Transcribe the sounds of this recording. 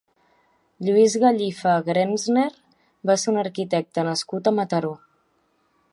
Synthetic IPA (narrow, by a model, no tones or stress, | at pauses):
ʎuizɣəʎifəɣɾenzneɾ | baseunəɾkit̪ɛk̚t̪ənəskut̪əmət̪əɾo